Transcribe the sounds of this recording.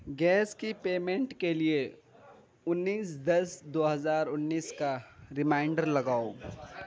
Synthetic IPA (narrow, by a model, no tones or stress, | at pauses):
ɡɛːskipeːmẽɳʈkelie | ʊnːiːsd̪ɐsd̪oːɦɐzaːɾʊnːiːskaɾɪmãːɪ̃ɳɖəɾlɐɡaːo